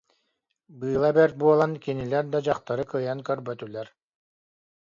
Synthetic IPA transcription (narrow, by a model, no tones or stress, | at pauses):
bɯːlˠabɛɾt̪̚buɔlˠankinilɛɾd̪ad͡ʑɑqt̪aɾɯkɯjankœɾbœt̪ylɛɾ